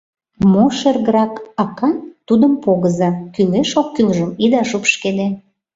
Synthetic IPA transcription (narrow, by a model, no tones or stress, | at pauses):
moʃerɣəɾɑkɑkɑnt̪ud̪əmpoɣəzɑkyleʃokːylʒəmid̪ɑʃupʃked̪e